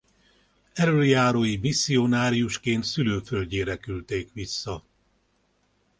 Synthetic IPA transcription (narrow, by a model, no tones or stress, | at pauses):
ɛløljaːɾoːjimisːio̞naːɾijuʃkeːnt̪syløːfølɟeːɾɛkylt̪eːkʋisːɒ